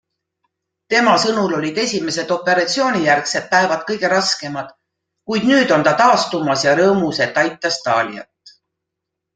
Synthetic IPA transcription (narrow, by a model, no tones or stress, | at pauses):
t̪e̞mɑsɤnulo̞lʲid̪̥e̞sʲime̞se̞d̪̥o̞pːˑe̞ɾɑt̪sio̞ːnijærkset̪̚pæevɑd̪̥̚kɤjɡ̥e̞ɾɑske̞mɑd̪̥ | kujd̪̥nyːd̪̥o̞nt̪ɑt̪ɑːst̪umɑsjɑɾɤːmuset̪ːˑɑjt̪ːˑɑst̪ɑːlʲḭɑ̰t̪ːˑ